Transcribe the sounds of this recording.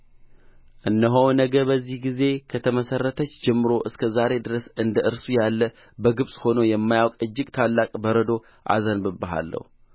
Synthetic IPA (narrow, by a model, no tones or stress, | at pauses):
ʔɨnːəɦownəɡəbəzːihɡize̞kʰət̪ʰəməsərːət̪ʰət͡ʃːd͡ʒɛmːɨɾo̞ʔɨskʰəzaɾe̞d̪ɨɾəsɨnd̪əʔɨɾsujalːə | bəɡɨβsʼho̞nojɛmːajawkʼɨd͡ʒːɪɡt̪ʰalːakʼbəɾəd̪o̞ | ʔa̰zənbɨbːəɦa̰lːə̰hu